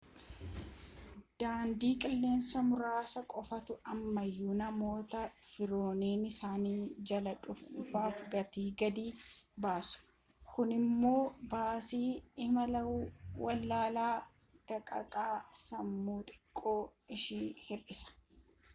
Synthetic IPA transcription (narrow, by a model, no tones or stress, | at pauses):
d̪̥aːnd̪iːkʼɪlːe̞ːnsɐmʊɾaːsɐkʼɔfɐt̪ʊɐmːɐjːunɐmo̞ːt̪ɐfɪɾo̞ːneːnɪsaːniːd͡ʒɐlɐᶑʊffaːfɡɐt̪iːɡɐd̪iːbaːsʊ̥ | kʊnɪmːo̞ːbaːsiːɪmɐlɐwwɐlːaːlaː | d̪̥ɐkʼɐ̰kʼaːsɐmːuːt̪ʼɪ̥kʼːo̞ːɪʃiːhɛɾɪsɐ̥